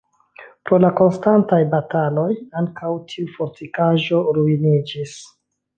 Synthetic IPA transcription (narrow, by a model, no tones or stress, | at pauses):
pɾo̞lako̞nstantajbatalo̞jaŋkawtʰiufo̞ɾtikaʒo̞ɾuinid͡ʒis